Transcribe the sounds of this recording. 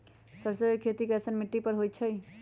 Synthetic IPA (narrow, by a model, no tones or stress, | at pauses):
səbsəbəjkʰːeːt̪ikesənmɪʈːipəɾɦoːjt͡ʃʰəj